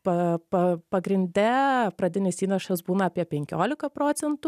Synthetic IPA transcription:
pɐpɐpɐɡɾʲɪnʲd̪ʲɛpɾɐd̪ʲɪnʲɪsiːnʲɛʃɐsbuːnɐɐːpʲiɛpʲɛŋʲkʲoːlʲɪkɐpɾoːt̪sʲɛnt̪ʊ

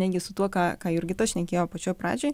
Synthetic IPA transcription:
nʲɛt̪̚ʲɡʲɪsʊt̪uɔkɑːkɑːɪɾʲɡʲɪt̪ɐʃʲnʲɛkʲeːjoːpɐt͡ʃʲoːjpɾɑ̰ːd͡ʒʲoːj

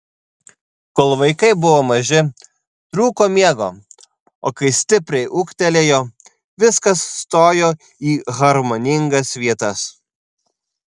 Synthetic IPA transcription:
koːlˠʋɐɪkɐɪbʊʋoːmɐʒʲɪ | t̪ɾuːkoːmʲiɛɡoː | o̰ːkɐɪsʲt̪ʲɪpʲɾʲɛɪʔʊkt̪ʲɛlʲeːjoː | ʋʲɪskɐsːt̪oːjoː | iːɣɐɾmoːnʲɪŋɡɐsʋʲiɛt̪ɐs

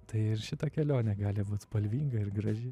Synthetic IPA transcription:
t̪ɐɪɪɾʃʲɪt̪ɐkʲɛlʲoːnʲɛɡɑːlʲɪbuːt̪spɐlʲʋʲiːŋɡɐɪɾɡɾɐʒʲɪ

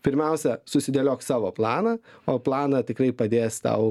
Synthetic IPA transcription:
pʲɪɾʲmʲɛʊsʲɛsʊsʲɪd̪ʲeːlʲoːksɑːʋoːplˠɑːnɐoːplˠɑːnɐt̪ʲɪkrɐɪpɐd̪ʲeːst̪ɐ̰ʊ

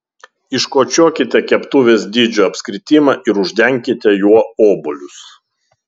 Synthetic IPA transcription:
ɪʃkoːt͡ʃʲoːkʲɪt̪ʲɛkʲɛpt̪uːʋʲeːsd̪ʲiːd͡ʒʲuɐpʲsʲkɾʲɪt̪ʲiːmɐʔɪɾʊʒʲd̪ʲɛŋʲkʲɪt̪ʲɛjuɔoːbʊlʲʊs

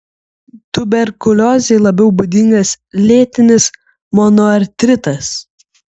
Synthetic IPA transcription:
t̪ʊbʲɛɾkʊlʲɔzʲɛlˠɐbʲɛʊbʊd̪ʲɪŋɡɐs | lʲeːt̪ʲɪnʲɪs | mɔnɔɐɾʲt̪ʲɾʲɪt̪ɐs

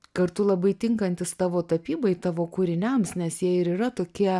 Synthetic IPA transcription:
kɐrt̪ʊlˠɐbɐɪt̪ʲɪŋkɐnʲt̪ʲɪst̪ɑːʋoːt̪ɐpʲiːbɐɪt̪ɑːʋoːkuːɾʲɪnʲɛmsnʲɛsjiɛɪɾiːɾɐt̪oːkʲiɛ

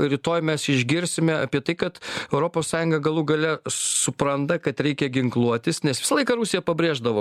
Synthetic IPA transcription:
ɾʲɪt̪oːjmʲɛsɪʒʲɡʲɪɾʲsʲɪmʲɛɐpʲiɛt̪ɐɪkɐt̪ɛʊɾoːpoːssɑːjʊŋɡɐɡɐlˠuːɡɐlʲɛsʊpɾɐnt̪ɐkɐt̪ɾʲɛɪkʲɛɡʲɪŋklˠuɔt̪ʲɪsnʲɛsʋʲɪsɐlˠɐɪkɐɾʊsʲɪjɛpɐbʲɾʲeːʒd̪ɐʋoː

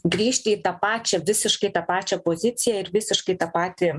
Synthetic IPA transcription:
ɡɾʲiːʃʲt̪ʲɪiːt̪ɐpɑːt͡ʃʲɛʋʲɪsʲɪʃkɐɪt̪ɐpɑːt͡ʃʲɛpoːzʲɪsʲɪjɛɪɾʋʲɪsʲɪʃkɐɪt̪ɐpɑːt̪ʲɪ

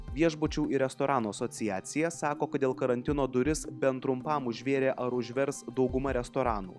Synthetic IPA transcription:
ʋʲiɛʒbʊt͡ʃʲuːɪɾʲɛst̪oːɾɑːnuːɐsɔt̪sʲɪjæːt̪sʲɪjɛsɑːkoːkɐt̪d̪ʲeːlˠkɐɾɐnʲt̪ʲɪnoːd̪ʊɾʲɪsbʲɛnt̪ɾʊmpɑˑmʊʒʲʋʲeːɾʲeːʔɐɾʊʒʲʋʲɛɾsd̪ɒʊɡʊmɐɾʲɛst̪oːɾɑːnṵː

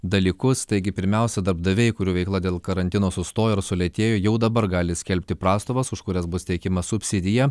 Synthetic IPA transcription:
d̪ɐlʲiːkʊst̪ɐɪɡʲɪpʲɪɾʲmʲɛˑʊsʲɛd̪ɐɾbd̪ɐʋʲɛɪkʊɾʲuːʋʲɛɪklˠɑːd̪ʲeːlˠkɐɾɐnʲt̪ʲɪnoːsʊst̪oːjoːɪɾsʊlʲɛt̪ʲeːjoːjɛʊd̪ɐbɐɾɡɑːlʲɪsʲkʲɛlʲpʲt̪ʲɪpɾɑːst̪oːʋɐsʊʃkʊɾʲɛsbʊst̪ʲɛɪkʲɪmɐsʊpʲsʲɪd̪ʲɪjɛ

